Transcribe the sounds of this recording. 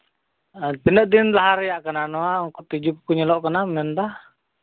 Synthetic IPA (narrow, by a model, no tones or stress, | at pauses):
əpinəʔd̪inlaɦaɾijaʔkənanoauŋkut̪id͡ʒupukuɲəlɔʔkənamənt̪a